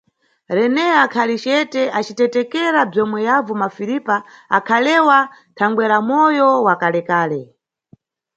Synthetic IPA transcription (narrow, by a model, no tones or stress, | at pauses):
ɾɛnɛakʰalit͡ʃɛtɛʔat͡ʃitɛtɛkɛɾab͡ʐɔmwɛjavɔmafiɾipaa̰kʰalɛwa | tʰaŋɡwɛɾamɔjɔwakalɛkaːlɛ